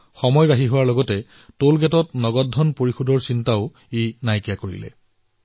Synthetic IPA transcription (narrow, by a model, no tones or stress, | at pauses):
xɔmɔjbaɦiɦʊwaɹlɔɡɔtɛ | tolɡɛtɔtnɔɡɔdʱːɔnpoɹixudʱɔɹsintaʊ | enajkijakoɹḭlɛ̰